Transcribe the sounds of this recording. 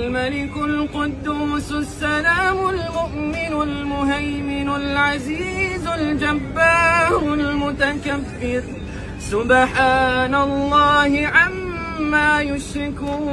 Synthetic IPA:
lmalɪkʊlqʊd̪ːuːsʊsːalaːmʊlmʊʔmɪnʊlmʊɦajmɪnʊlʕaziːzʊld͡ʒabːaːɾʊlmʊt̪akabːɪɾ | sʊbħaːnalˤːɑːhɪʕamː | aːjʊʃɾɪkuː

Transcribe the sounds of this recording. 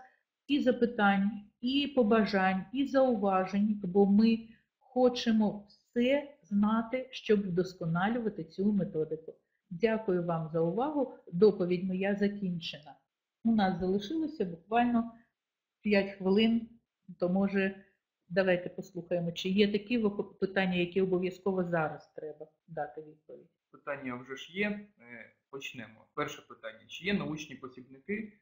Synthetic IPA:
izɐpɪt̪ɑnʲːɐipɔbɐʒɑnʲizɐʊʋɑʒenʲbɔmɪ | xɔt͡ʃemɔwsɛznɑt̪ɪʃt͡ʃɔbd̪ɔskɔnɑlʲʊʋɐt̪ɪt͡sʲumet̪ɔd̪ɪkʊ | dʲakʊjʊʋɑmzɐʊʋɑɦʊd̪ɔpɔʋʲidʲmɔjazɐkʲinʲt͡ʃenɐ | ʊnɑszɐlˠɪʃɪlˠɔsʲɐbʊkʋɑlʲnɔ | pʲjatʲxʋɪlˠɪn | t̪ɔmɔʒɛ | d̪ɐʋɑjt̪ɛpɔslˠuxɐjemɔt͡ʃɪjɛt̪ɐkɛʋpɪt̪ɑnʲːɐjɐkʲɛɔbɔʋʲjɐskɔʋɔzɑɾɐst̪ɾɛbɐ | d̪ɑt̪ɪʋʲid̪̚pɔʋʲidʲpɪt̪ɑnʲːɐwʐɛʒjɛm | pɔt͡ʃnɛmɔ̰pɛrʃɛpɪt̪ɑnʲːɐt͡ʃɪjɛnɐut͡ʃnʲipɔsʲibnɪkɪ

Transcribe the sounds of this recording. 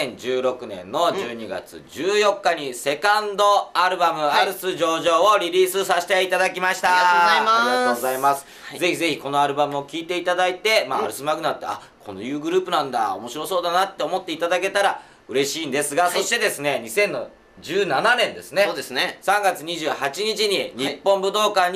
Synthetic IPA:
ẽɲd͡ʑɨːɾo̞kɯ̟nẽ̞̰nːo̞d͡ʑɨːɲ̟iɡa̰t͡sɨ̰d͡ʑɨːjo̞kːaɲ̟ise̞kãnd̪o̞aɾɯ̟bamɯ̟aɾɯ̟sɨʑo̞ːʑo̞ːoɾʲiɾʲiːsɨsaɕi̥t̪eit̪ad̪akʲimaɕi̥t̪aamaaozaimasɨ̥ | ze̞çize̞çiko̞no̞aɾɯ̟bamɯ̟o̞kʲiːt̪e̞it̪ad̪ait̪e̞maːɾɯ̟sɨmaɡɯ̟nat̪ːea̰ | kʰo̞̰no̰jɯ̟ːɡɯ̟ɾɯ̟ːpɯ̟nãnd̪a̰o̞̰mo̞ɕiɾo̞so̞ːd̪anat̪ːe̞omo̞t̪ːe̞it̪ad̪ake̞t̪aɾa | ɯ̟ɾe̞ɕiːnd̪e̞sɨɡaso̞ɕt̪e̞d̪e̞sɨne̞ɲ̟isẽ̞nːo | d͡ʑɨːnananẽ̞nd̪esɨneoːd̪esnesãŋɡat͡sɨɲ̟iʑɨːhat͡ɕiɲ̟it͡ɕiɲ̟iɲipːõ̞mbɯ̟d̪o̞ːkaɲ̟

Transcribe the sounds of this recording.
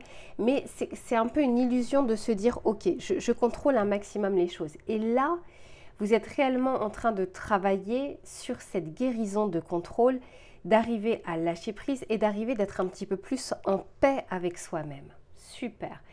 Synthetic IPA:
mɛsɛsɛt̪ɛ̃pøynilyzjɔ̃d̪əsəd̪iːʁokʲeʒəʒəkɔ̃t̪χolɛ̃maksimɔmleʃozela | vuzɛt̪ʁeɛlmɑ̃ʔɑ̃t̪χɛ̃d̪ət̪χavajesyʁsɛt̪ɡʲeʁizɔ̃d̪əkɔ̃t̪χol | d̪aʁiveʔalaʃepχized̪aʁived̪ɛt̪χɛ̃pət̪ipøplysɑ̃pɛavɛkswamɛmsypɛːʁ

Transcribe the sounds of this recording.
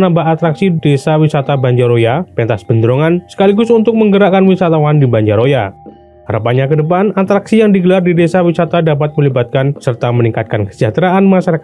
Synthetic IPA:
nambaat̪ɾaksidesawisat̪abaɲd͡ʒaɾojapɛnt̪asbəndɾoŋansə̥kaliɡʊsunt̪ʊk̚məŋɡəɾakanwisat̪awandibaɲd͡ʒaɾoja | haɾəpaɲakədəpanat̪ɾaksijaŋdiɡəlardidesawisat̪adapat̪̚məlibat̪̚kansərt̪aməniŋkat̪̚kankə̥sat̪ɾaʔanmaʃaɾak

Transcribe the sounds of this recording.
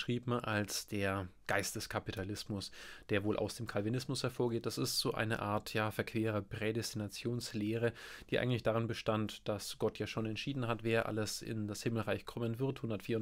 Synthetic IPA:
ʃʁ̥iːpmʔalsd̥eːɐɡ̥aɪstəskʰapitʰalɪsmʊsd̥eːɐvoːlʔa̰ʊsd̥eːmkʰalvinɪsmʊshɛɐfoːɐɡeːt̚d̥asɪstz̥oːʔa̰ɪnə̰ʔa̰ːɐtʰjaːfɛɐkv̥eːʁəpʁ̥ɛdɛstinat͡sjoːnsleːʁəd̥iːʔa̰ɪɡŋ̩tlɪçd̥aʁ̞ɪnbəʃtantd̥asɡ̥ɔtjaːʃoːnɛntʃiːdn̩ɦatv̥eːɐʔa̰ləsɪ̰ndashɪml̩ʁaɪçkʰɔmənvɪɐthʊndɐtfiːɐ

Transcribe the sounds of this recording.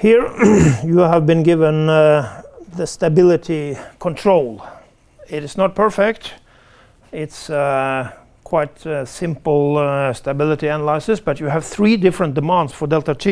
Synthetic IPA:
hiɹjɨəvbɨ̃nɡɪvə̃n | ðɨstɨbɪlˠɪɾikʰɔ̃ntʰɹ̥oʊlˠ | ɪɾɨznət̚pʰɜ˞fɛkt | ɪts | kʰw̥aɪtsɪ̃mpl̩ˠstəbɪlˠəɾiænəlaɪsɨsb̥ʌtjɨæv̥θɹidɪfɹə̃nt̚d̥ɨmæ̃ndsfə˞dɛlˠtətʰi

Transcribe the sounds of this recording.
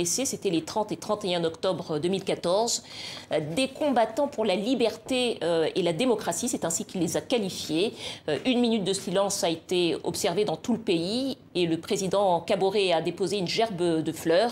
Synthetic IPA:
eseset̪ɛlet̪χɑ̃t̪et̪χɑ̃t̪eɛ̃ɔkt̪ɔbʁd̪əmilkat̪ɔʁz | d̪ekɔ̃bat̪ɑ̃puʁlalibɛʁt̪eøelad̪emɔkχasisɛt̪ɛ̃sikʲilːezakalifjeʔynminyt̪̚d̪əsilɑ̃saet̪eɔ̰psɛʁved̪ɑ̃t̪uləpei | eləpχezid̪ɑ̃kaboʁead̪epozeynʒɛʁbd̪əflœːʁ

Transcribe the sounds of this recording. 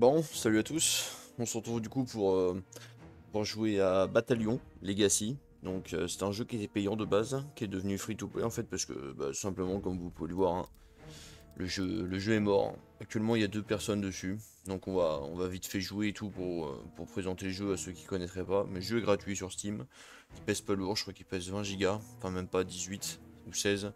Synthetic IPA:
bɔ̃salyat̪usɔ̃səʁət̪χuvd̪ykupuʁø | puʁʒuweabat̪aljɔ̃leɡasi | d̪ɔ̃køsɛ̥t̪ɛ̃ʒøkʲiɛt̪ɛpɛjɑ̃d̪əbazkʲiɛd̪əvnyfχit̪uplɛ̰ɑ̃fɛt̪̚paʁsə̥kə̰ba̰sɛ̃pləmɑ̃kɔmvupuveləvwaʁɛ̰̃ | ləʒøləʒøɛmɔʁ | akt̪ɥɛlmɑ̃iljad̪øpɛʁsɔnd̪əsy | d̪ɔ̃kɔ̃vaɔ̰̃vavit̪fɛʒueːt̪ʰupuʁø̰puʁpχezɑ̃t̪eləʒøasøkʲi̥kɔnɛt̪χɛpamɛʒøɛɡʁat̪ɥisyʁsə̥t̪im | kʲipɛspaluʁəkχwakʲipɛsvɛ̃ʒiɡaɑ̃fɛ̃mɛmpad̪izɥit̪ | usɛz

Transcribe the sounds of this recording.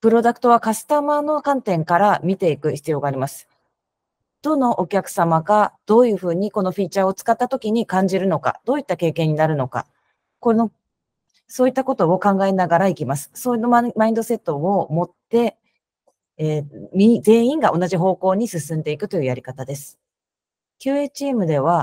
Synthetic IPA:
pɯ̟ɾo̞d̪akɯ̥t̪o̞β̞akasɨ̥t̪amano̞kãnt̪ẽ̞ŋkaɾamʲit̪e̞ikɯ̟çi̥t͡sɨjo̞ːɡaːɾʲimasɨ̥ | d̪̥o̞no̞ʔokʲakɯ̟̥samaɡad̪̥o̞ːjɯ̟ːɸɯ̟ːɲ̟iko̞no̞ɸʲiːt͡ɕaːo̞t͡sɨ̥kat̪ːat̪o̞kʲiɲ̟ikãɲ̟d͡ʑiɾɯ̟no̞ka̰d̪̥o̞ːit̪ːake̞ːke̞ɲ̟ːinaɾɯ̟no̞ka̰ | kono | so̞ːit̪ːako̞t̪o̞okãŋɡaenaɡaɾaikʲimasɨ̥soːinmaĩnd̪o̞se̞t̪ːo̞omo̞t̪ːe̞ | mʲize̞ːĩŋɡaʔo̞naʑiɦo̞ːko̞ːɲ̟isɨsɨ̃nd̪e̞ikɯ̟t̪o̞jɯ̟jaɾʲikat̪ad̪e̞sɨ̥ | kʲɨːe̞ːt͡ɕiːmɯ̟d̪e̞βa

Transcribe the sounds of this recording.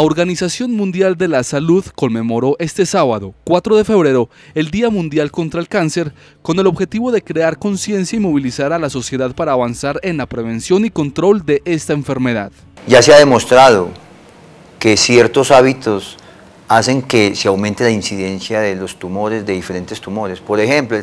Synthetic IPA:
aoɾɡanisasjo̞nmũnd̪jald̪e̞lasaluðko̞nme̞mo̞ɾo̞ʔe̞st̪e̞saβaðo̞kwat̪ɾo̞ðe̞fe̞βɾe̞ɾo̞ | e̞ld̪iamũnd̪jalko̞nt̪ɾaelkanse̞ɾ | ko̞ne̞lo̞βxe̞t̪iβo̞ðe̞kɾe̞aɾko̞nsje̞nsjaimo̞βilisaɾalaso̞sje̞ðaðpaɾaːβansaɾe̞nlapɾe̞βe̞nsjo̞niko̞nt̪ɾo̞ld̪e̞ʔe̞st̪aeɱfe̞ɾme̞ða̰ð | ɟ͡ʝaseaðe̞mo̞st̪ɾaðo | ke̞sjeɾt̪o̞saβit̪o̞s | ase̞ŋke̞seawment̪elainsiðe̞nsjaðelo̞st̪umo̞ɾe̞zd̪e̞ðife̞ɾe̞nt̪est̪umo̞ɾe̞spo̞ɾexemplo

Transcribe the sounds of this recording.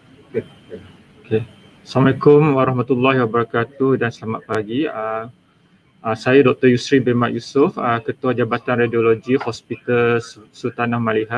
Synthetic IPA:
oke | aslamalekʊmwaɾɑhmat̪ulːahiwabəɾakat̪udansəlamat̪̚paɡiə | əsajadɔk̚t̪əjusɾibemaʔjusʊfəkət̪uad͡ʒabat̪anrajdioloɡihɔspit̪alsut̪anahmãliɦa

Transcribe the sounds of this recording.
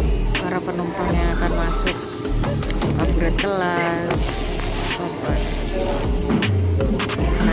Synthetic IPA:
paɾapənɔnp̪ɔnɲakanmasʊk̚ | ʔabɾat̪̚kəlas | karba | a

